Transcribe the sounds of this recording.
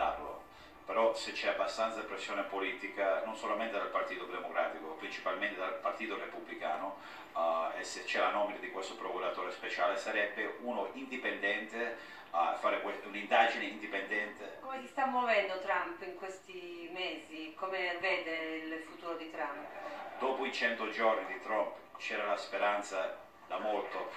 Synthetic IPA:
a̰rlo̰ | peɾɔset͡ʃːɛabːast̪ansapɾesːjoːnepoliːt̪ikanonsolament̪ed̪alpart̪iːt̪od̪emokɾa̰ːt̪ikopɾint͡ʃipalment̪ed̪alpart̪iːt̪orepubːlika̰ːno | ḛset͡ʃːɛlanɔminad̪ikwest̪opɾokuɾat̪oːɾespet͡ʃaːlesaɾɛbːeunoind̪ipend̪ɛnt̪e | afaːɾekwesunind̪aːd͡ʒineind̪ipend̪ɛnt̪ekomesist̪amwovɛnd̪ot̪ɾampiŋkwest̪imeːzikomeveːd̪eillfut̪uːɾod̪it̪ɾampd̪̥ɔːpoit͡ʃɛnt̪od͡ʒɔrnid̪it̪ɾɔmpt͡ʃɛːɾalaspeɾant̪sa | d̪amolt̪o

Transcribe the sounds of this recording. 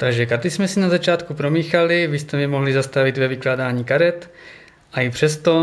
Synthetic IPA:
t̪aɡʒɛkaɾt̪ɪsmɛsinazat͡ʃaːt̪kupɾomiːxalɪvɪst̪ɛmɪmoɦlizast̪avɪt̪vɛvɪklaːdaːɲiːkaɾɛt̪ | ʔaipr̝̥ɛst̪o

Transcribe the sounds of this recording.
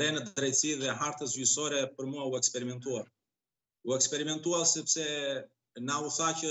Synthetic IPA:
ɾɛnɛt̪d̪ɾɛjt̪siðɛɦaɾt̪əzysɔɾɛpəɾmuauɛkspɛɾimɛnt̪uaɾ | uɛkspɛɾimɛnt̪uaɾsɛpsɛ | nauθacə

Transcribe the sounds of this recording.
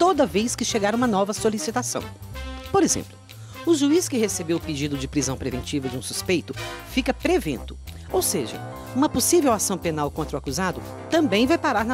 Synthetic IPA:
t̪od̪ɐvejskɪʃeɡaɾũmɐnɔvɐsolisit̪asɐ̰̃w̃poɾezḛ̃mplʊ | ʊʒuiskɪhesebewʊped͡ʒid̪ʊd͡ʒɪpɾizɐ̃w̃pɾevẽnt͡ʃivɐd͡ʒɪũsuspejt̪ʊfikɐpɾevḛ̃nt̪ʊ̥ | owseʒɐ̰ | ũmɐposivewasɐ̃w̃penawkõnt̪ɾʊakuzad̪ʊ | t̪ɐ̃mbẽj̃vajpaɾaɾnɐ

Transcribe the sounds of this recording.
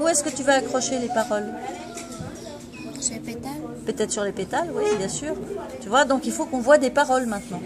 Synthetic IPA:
uɛskət̪yvaːkχɔʃelepaʁɔl | pøt̪ɛt̪χsyʁlepet̪alwibjɛ̃syːʁt̪yvwad̪ɔ̃kilfokɔ̃vwad̪epaʁɔlmɛ̃t̪nɑ̃

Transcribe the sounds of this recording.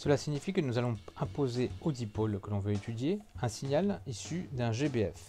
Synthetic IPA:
səlasiɲifikənuzalɔ̃ɛ̃pozeod̪ipolkəlɔ̃vøet̪ʰyd̪jeɛ̃siɲalisyd̪ɛ̃ʒebeɛf

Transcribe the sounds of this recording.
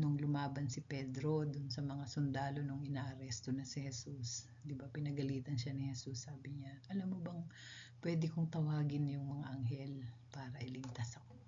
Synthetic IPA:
noŋlʊmaːbɐnsɪpɛd̪ɾo̞d̪ʊnsɐmɐŋasʊnd̪aːlo̞noŋʔɪnaːʔɐɾɛst̪onɐsɪhɛsus | d̪ɪbapɪnɐɡɐliːt̪ɐnʃanɪhɛsusːaːbɪɲaʔɐlamːobɐŋpwɛd̪ɪkoŋt̪ɐwaːɡɪnjʊŋmɐŋaʔɐŋɦɛlpaːɾɐʔɪlɪɡt̪asɐko̞

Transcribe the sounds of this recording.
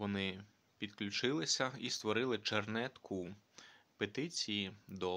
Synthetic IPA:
ʋɔnɪ | pʲid̪klʲʊt͡ʃɪlˠɪsʲɐist̪ʋɔɾɪlˠɪt͡ʃernɛt̪kʰʊ | pet̪ɪt͡sʲijid̪ɔ

